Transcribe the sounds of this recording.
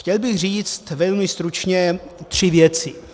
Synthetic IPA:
xcɛlbɪɣriːt͡st̪vɛlmɪst̪ɾut͡ʃɲɛt̪r̝̥ɪvjɛt͡sɪ

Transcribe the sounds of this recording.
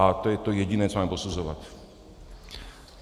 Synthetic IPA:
at̪ojɛt̪ojɛɟinɛːtt͡s̪ɔmamɛposuzɔʋa̰t̪ʲ

